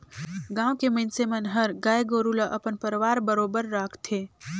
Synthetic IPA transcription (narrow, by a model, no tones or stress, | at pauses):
ɡãːwkeməɪnsemɐnɦəɾɡaːjɡoːɾulaʔɐpənpəɾʋaːɾbəɾoːbəɾːaːkʰt̪ʰeː